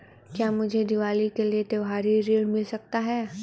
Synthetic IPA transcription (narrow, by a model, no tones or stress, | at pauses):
kjaːmʊd͡ʒʱed̪ɪʋaːlikeliet̪eʋɦaːɾiɾiːɽmɪlsɐk̚t̪aɦɛː